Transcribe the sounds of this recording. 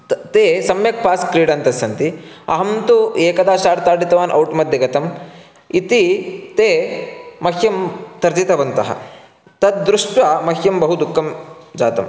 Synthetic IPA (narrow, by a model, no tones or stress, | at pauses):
t̪eːsɐmjɐk̚paːskɾiːɽɐnt̪ɐsɐnt̪iɐ̰ɦɐmt̪ueːkɐd̪aːʃaːɽt̪aːɖit̪ɐʋaːnʔɐ̰wʈmɐd̪ʱjɐɡɐt̪ɐm | it̪it̪eːmɐɦjɐmt̪ɐɾd͡ʒit̪ɐʋɐnt̪ɐɦɐ̰ | t̪ɐt̪̚d̪ɾuʂʈʋɐmɐɦjɐmbɐɦud̪ukːɐmd͡ʒaːt̪ɐm